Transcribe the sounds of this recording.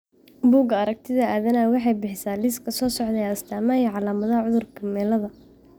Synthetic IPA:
buːɡɐɐɾɐk̚t̪ʰɪðɐaːðɐnaːwɑħɑjbɪħɪsaːliːskʰɐsɔːsɔʕd̪ɛɐst̪ʰaːmaiːʕɑlaːmɐðɐɦɐʕʊðʊrkʰɐmɛːlɐðɐ

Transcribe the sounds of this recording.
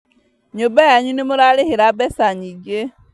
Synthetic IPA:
ɲobajaɲunemoɾaɾeheɾabɛsaɲid͡ʒe

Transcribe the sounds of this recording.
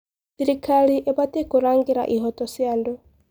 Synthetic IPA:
tiɾikʰaɺiʔɛbat̪ʼɛkuɾaŋɡiɾa̰ʔiɦɔt̪ʼɔsiandɔ

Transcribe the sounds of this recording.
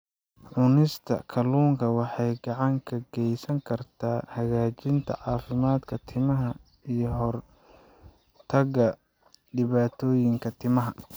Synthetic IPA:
ʕʊnɪst̪ʰɐ̰kʰɐluːŋkʰɐwɑħɑjɡɑʕɑŋkʰɐɡɛjsɐŋkʰɐrt̪ʰaːhɐɣaːt͡ʃɪnt̪ʰɐ̰ʕɑːfɪmaːd̪kʰɐt̪ʰɪmɐɦɐ | ijɞɦɔr | t̪ʰɐɣɐ | ɖɪβaːt̪ʰɔːjɪŋkʰɐt̪ʰɪmɐɦɐ

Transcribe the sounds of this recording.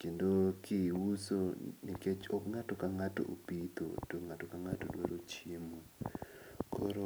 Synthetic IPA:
kendokɪwusonɪket͡ʃɔkŋatɔkaŋato̰ʔo̰pit̪o̰toŋatokaŋatodwaɾot͡ʃjemu | kʰo̰ɾo

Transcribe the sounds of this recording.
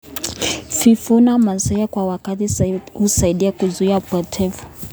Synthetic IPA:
fifunamansɛjakwawakatihusaiɗiakuzuiapɔtʰɛvu̥

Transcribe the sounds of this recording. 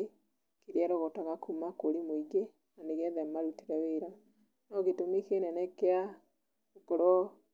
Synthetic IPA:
e | kiɾiaɾɔɣɔtaɣakʰumakoɾimoiɡe | naneɣɛðɛmaɾuteɾɛweɾa | nɔɣetomikenɛnɛkea | okɔɾɔ

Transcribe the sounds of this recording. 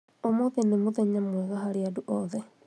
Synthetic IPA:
omoðenemoðɛɲamwɛɣaɦaɾeaduʔɔðɛ

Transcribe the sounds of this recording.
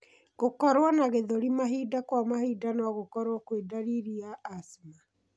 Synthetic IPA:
ɣokɔɾwanaɣeðoɾimaɦiːdakwamahiːdanɔɣokɔɾwɔkwedaɾiɾiaːsma

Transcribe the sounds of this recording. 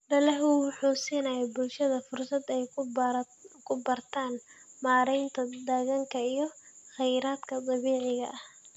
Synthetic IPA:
ɖɐlɐɦʊwʊħuːsiːnɐjɛbʊlʃɐðɐfʊrsɐd̪ɛj | kʰʊbɐrt̪ʰaːnmaːɾɛjnt̪ʰɐd̪ɐɣɐŋkʰɐijɞχɛjɾaːd̪kʰɐt̪ʼˤɑβiːʕɪɣɐʔɐh

